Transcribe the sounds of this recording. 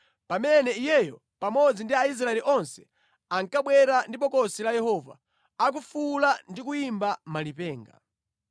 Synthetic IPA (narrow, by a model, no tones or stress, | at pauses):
pamɛnɛijɛjɔ | pamɔd͡zindiais̬ɾaɛliʔɔnsɛ̥ | aŋkaɓwɛɾandip̬ɔkɔsilajɛhɔva̰ | ak̬ufulandik̬ujimbamalipɛːŋɡa̰